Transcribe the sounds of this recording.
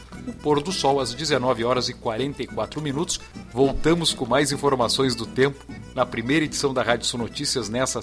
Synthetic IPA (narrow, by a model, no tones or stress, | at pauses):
ʊpoɾd̪ʊsɔwɐzd͡ʒɪzenɔvɪɔɾɐzɪkwaɾẽnt̪ɐikwat̪ɾʊminut̪ʊ̥svowt̪ɐ̃mʊskõmajzĩfoɾmasõj̃zd̪ʊt̪ẽmpʊ̥ | nɐpɾimejɾɐed͡ʒi̥sɐ̃w̃d̪ɐɦad͡ʒʊsõnot͡ʃisiɐznɛsɐ